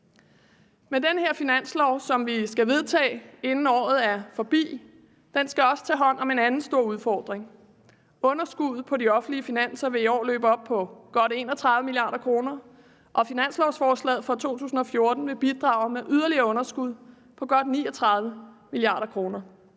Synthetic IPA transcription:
med̥enəheɐ̰finæn̰slɒʊsɒ̽mʋisɡ̥æʋe̝ð̞ˠt͡sʰɛ̰ːe̝nn̩ɒ̰ːð̞̩ˠæɐfɒ̽b̥ḭː | d̥ensɡ̥æɒ̽sə̥t͡sʰɛ̰ːɦɒ̽n̰ɒ̽me̝nænn̩sd̥o̝ɐ̰uð̞ˠfɒ̰ːd̥ʁeŋ | ɔ̽nɐsɡ̥uð̞̰ˠpʰɒ̽diɒ̽fn̩liəfinæn̰sɐʋe̝iɒ̰ːlø̰ːb̥əɒ̽b̥̚pʰɒ̽ɡ̥ɒ̽ɾ̥e̝ːnɒ̽t͡sʰʁɑðˠʋəmiliɑ̈ːdˠɐkʰʁo̝ːnɐ | ʔɒ̽finæn̰slɒʊsfɒːslɛ̰ðˠfɒ̽t͡sʰo̝̰ːt͡sʰṵːsn̩ɒ̽fjo̝ɐd̥n̩ʋe̝b̥id̥ʁɑ̈ːʊmeʔyðˠɐliɐɔ̽nɐsɡ̥uð̞̰ˠ | pʰɒ̽ɡ̥ɒ̽d̥niːɒt͡sʰʁɑ̈ðˠʋə | miliɑ̰̈ːɾɐkʰʁo̝ːnɐ

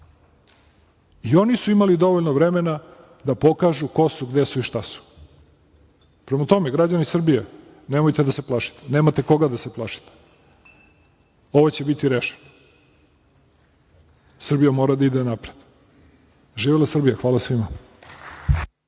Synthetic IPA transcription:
io̞nisuimalid̪o̞ʋoʎnoʋɾemena | d̪apo̞kaʒuko̞suɡd̪esuiʃt̪asu̥ | pɾemat̪o̞meɡɾad͡ʑanisr̩bija | nemojt̪ed̪ase̞plˠaʃi̥t̪eneːmat̪eko̞ɡad̪ase̞plˠaʃi̥t̪e̥ | o̞ʋot͡ɕe̞bit̪iɾeʃeno | sr̩bijamoːɾad̪aid̪enapɾed̪ | ʒiːʋilasr̩bijaxʋaːlasʋima

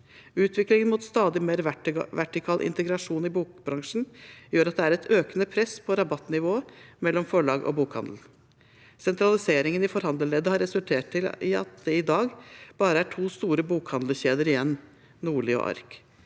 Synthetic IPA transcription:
ʉːt̪ʋɪklɪŋənmuːt̪st̪ɑːd̪ɪmeːɾʋæʈɪkʰɑːlʔɪ̰nt̪əɡɾɑʂuːnɪbuːkbɾɑŋʂn̩jøːɾɑt̪̚d̪ɛæːɾɛt̪ʰøːkənəpʰɾɛsːpʰɔɾɑbɑt̪nɪʋoːəmɛlːɔmfɔɭɑːɡɔ̰buːkhɑ̰nd̪l̩ | sɛnt̪ɾɑlɪseːɾɪŋənɪfɔɾhɑnd̪əleːd̪əhɑɾɛsʉlt̪ʰeːʈ̪ʰɪlɪɑ̰t̪̚d̪ɛɪd̪ɑːɡb̥ɑːɾəæʈʰuːst̪uːɾəbuːkhɑnd̪ləçeːd̪əɾɪjɛnː | nuːɭiːɔ̰ʔɑ̰ɾk

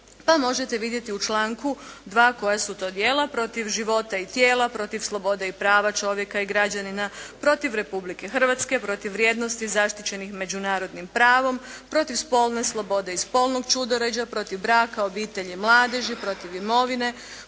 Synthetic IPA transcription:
pamo̞ʒe̞t̪e̞ʋid̪je̞t̪iut͡ʃlˠaːŋkud̪ʋaːko̞jasut̪o̞ːd̪jeːlˠapɾo̞t̪iʋʒiʋo̞t̪ait̪jeːlˠapɾo̞t̪iʋslˠo̞bo̞d̪eipɾaːʋat͡ʃo̞ʋje̞kaiɡɾad͡ʑaninapɾo̞t̪iʋɾe̞publike̞xr̩ʋat̪skepɾo̞t̪iʋːɾjeːd̪no̞st̪izaʃt̪it͡ɕe̞nixme̞d͡ʑunaːɾo̞d̪nimpɾaːʋo̞mpɾo̞t̪iʋspo̞lˠneslˠo̞bo̞d̪e̞ispo̞lˠno̞ɡt͡ʃud̪oɾed͡ʑapɾo̞t̪iʋbɾaːkaobiːt̪e̞ʎimlˠaːd̪e̞ʒipɾo̞t̪iʋimo̞ʋine̞

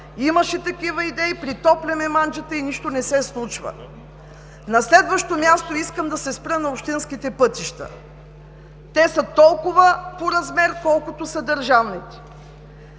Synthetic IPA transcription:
imɐʃɛt̪ɐkivəid̪ɛipɾit̪ɔplʲɛmɛmand͡ʒət̪əiniʃt̪onɛsɛslˠut͡ʃvə̰ | nɐslɛd̪vəʃt̪omʲjast̪oiskəmd̪ɐsɛspɾənɐopʃt̪inskit̪ɛpɤt̪iʃt̪ə̰ | t̪ɛsət̪ɔlˠkʊvəpoɾɐzmɛɾkɔlˠkot̪osɐd̪ɐɾʒavnit̪ɛ̥

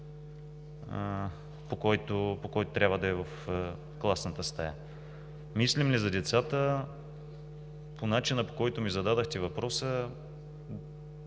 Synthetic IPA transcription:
ə | pokɔjt̪opokɔjt̪ʊ̥t̪ɾʲabvəd̪ɐɛvəf | klˠasnət̪əst̪ɐja̰ | mislimlizɐd̪ɛt̪sat̪ə | pʰonat͡ʃinəpo̥kɔjt̪ʊmizɐd̪ad̪əxt̪ɛvɐpɾɔsə

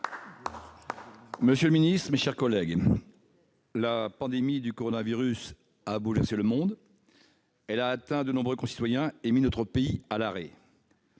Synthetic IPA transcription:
məsjøləminist̪χəmeʃɛʁkɔlɛɡ | lapɑ̃d̪emid̪ykɔʁɔnaviʁys | abulvɛʁseləmɔ̃d̪ | ɛlaːt̪ɛ̃d̪ənɔ̃bʁøkɔ̃si̥t̪wajɛ̃eminɔt̪χəpeialaʁe

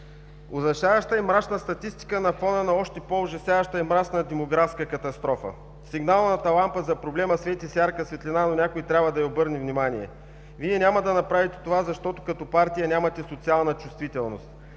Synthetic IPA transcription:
ozɐʃavɐʃt̪əimɾat͡ʃnəst̪ɐt̪ist̪i̥kənɐfɔnənɐɔʃt̪ɛpoʊʒɐsjavɐʃt̪əɛmɾat͡ʃnəd̪ɛmoɡɾafskəkɐt̪ɐst̪ɾɔfə̰ | siɡnalˠnɐt̪ɐlˠampəzɐpɾoblɛməsvɛt̪ʲisʲjaɾkəsvɛt̪lʲinanonʲakoit̪ɾʲabvəd̪ɐiobɤɾnivnimaniɛ̰ | viɛnʲamɐd̪ɐnɐpɾavit̪ɛ̥t̪ovazɐʃt̪ɔt̪ʊ̥kɐt̪ɔpaɾt̪ijɐnʲamɐt̪ɛsot̪sialˠnɐt͡ʃust̪vit̪ɛlˠnost̪

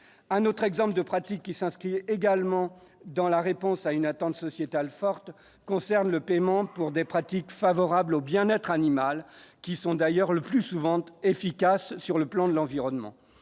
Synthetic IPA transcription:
ɛ̃not̪χɛɡzɑ̃pld̪əpχat̪ikʲːisɛ̃skχieɡalmɑ̃ | d̪ɑ̃laʁepɔ̃saynat̪ɑ̃t̪sɔsjet̪alfɔʁt̪ | kɔ̃sɛʁnləpemɑ̃puʁd̪epχat̪ikfavɔʁablobjɛ̃nɛt̪χanimalkʲisɔ̃d̪ajœʁləplysuvɑ̃t̪efikasːyʁləplɑ̃d̪əlɑ̃viʁɔnmɑ̰̃

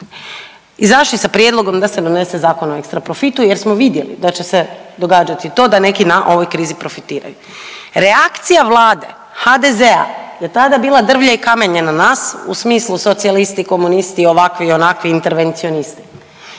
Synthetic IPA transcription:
izaʃlisapɾje̞d̪lˠo̞ɡo̞md̪ase̞d̪o̞ne̞se̞zaːko̞noekst̪ɾapɾo̞fit̪uje̞ɾsmoʋid̪je̞lḭd̪at͡ɕe̞se̞d̪o̞ɡaːd͡ʒat̪it̪o̞ːd̪ane̞kinaʔo̞ʋo̞jkɾiːzipɾo̞fit̪iːɾa̰ju | ɾeakt̪sijaʋlˠaːd̪e̞̰ | xad̪e̞zea̰je̞t̪ad̪abiːlˠad̪r̩ʋʎaikame̞ɲenanaːsusmiːslˠuso̞t̪sialist̪iko̞munist̪io̞ʋakʋio̞nakʋiːnt̪e̞ɾʋe̞nt̪sio̞nist̪i̥

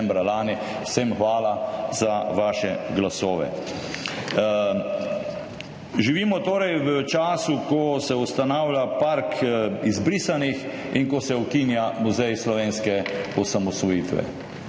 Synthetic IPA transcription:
mbɾalaːni | wsemxʋaːlazaʋaːʃɛɡlasoːʋɛ̰ | ʒiʋiːmɔt̪oːɾɛjʋət͡ʃaːsukɔsɛust̪anaːwlʲjapaɾkʰizbɾiːsanix | iŋkɔsɛɔkinjamuzɛjslɔʋeːnskɛɔsamɔsʋɔjiːt̪ʋɛ̰

